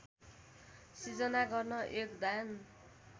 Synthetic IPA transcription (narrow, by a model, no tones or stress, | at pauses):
sid͡zʌnaɡʌrnʌʔekd̪an